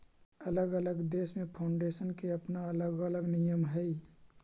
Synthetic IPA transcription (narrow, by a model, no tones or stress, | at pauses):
ɐləɡələɡd̪eːsmẽpʰaʊ̃ɳɖeːsənkeɐpnaɐləɡələɡnijəmɦɛi